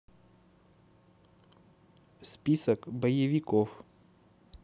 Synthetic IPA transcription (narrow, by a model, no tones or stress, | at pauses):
spʲisəkbəjəvʲɪkof